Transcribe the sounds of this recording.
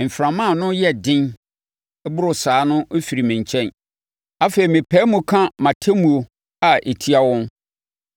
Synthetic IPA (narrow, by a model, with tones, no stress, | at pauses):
m̩˨fɾã˨mã˦˨nʊ̃˦jɛ˦dɪ̃˦n˦ | bʊ˦ɾʊ˨saː˨˦nʊ̃˦ʔo˦fi˨ɾi˨mɪ̃˨ɲ˨t͡ɕʰɛ̃˦n | a˦fe˨ɾi˨mɪ̃˨pʰɛ˦mũ˨kʰã˦mã˨tʰɛ˦mũ˨o˨ | a˨ʔe˨tʰi˦a˨wɔ̃˦n